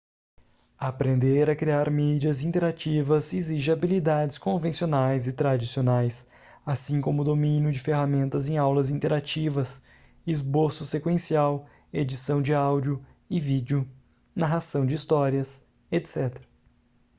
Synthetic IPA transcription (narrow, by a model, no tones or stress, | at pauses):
apɾẽnd̪eɾɐkɾiaɾmid͡ʒiɐzĩt̪eɾat͡ʃivɐziziʒabilid̪ad͡ʒɪskõvẽsionajzɪt̪ɾad͡ʒisionajs | asĩkõmʊd̪omĩnjʊd͡ʒɪfeɦamẽnt̪ɐzẽj̃awlɐzĩt̪eɾat͡ʃivɐs | ɪzboɾsʊsekwẽsiaw | ed͡ʒisɐ̃w̃d͡ʒɪawd͡ʒʊ | ɪvid͡ʒɪʊ | naɦasɐ̃w̃d͡ʒɪist̪ɔɾiɐs | et̪sɛt̪eɾɐ